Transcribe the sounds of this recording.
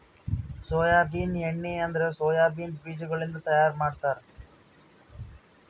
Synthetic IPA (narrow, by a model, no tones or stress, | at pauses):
soːjaːbiːneɳːeɐnd̪ɐɾesoːjaːbiːns̬biːd͡ʒuɡɐɭind̪ɐt̪ɐjaːɾmaːɖt̪aːɾe